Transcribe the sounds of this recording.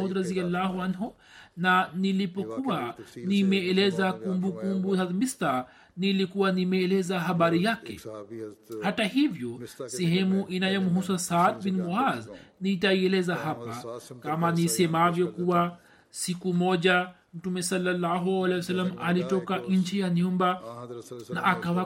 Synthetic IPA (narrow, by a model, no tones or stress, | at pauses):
ud̪ɾazialːaːɦuanɦu | nanilipɔkuwanimɛːlɛzakumbukumbusamista | nilikuwanimɛːlɛzaɦaɓaɾijakɛ̰ | hatahivjɔsɛɦɛmuʔinajɔmuɦusasad̪̚binmuaznitaiɛlɛzahapakamanisɛmavjɔkuwa | sikumɔʄa | m̩tumɛsalːalːaɦualɛjwasalːamalitɔkaʔɲ̩t͡ʃijaniumba | naʔakawa